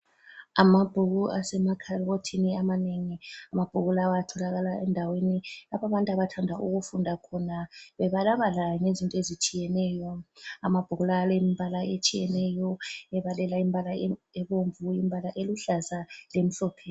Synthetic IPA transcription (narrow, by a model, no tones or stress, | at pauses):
amab̥ʱuɣuasɛmakʰarɣotʰiniamaneŋiamab̥ʱuɣulawajatʰɔlaɣalaɛndʱawenilapʰaβantʼaβatʰandʱaʔuɣufundʱakʰɔnaβɛβalaβalaŋezintʼɔezit͡ʃʼijɛnɛːjɔamab̥ʱuɣulalemmbʱalaet͡ʃʼijɛnɛjɔɛβalɛlaimbʱalaɛβoɱvuimbʱalaʔeluɬazalem̩ɬɔpʰeː